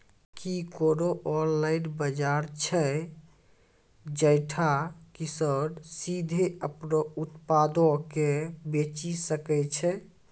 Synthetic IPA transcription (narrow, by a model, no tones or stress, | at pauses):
kikoɾoʔɔɾlaɪnbəd͡ʒaɾt͡ʃʰə | d͡ʒəjʈʰakisəɽsid̪ʱeəpnout̪pad̪okebet͡ʃisəkɛt͡ʃʰɛ